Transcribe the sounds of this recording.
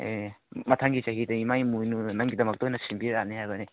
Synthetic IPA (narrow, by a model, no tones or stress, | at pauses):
ḛmɐtʰaŋɡit͡ʃaɦidɐimajmujnunaŋɡidɐmɐk̚tojnɐsimbiɾanihajbɐni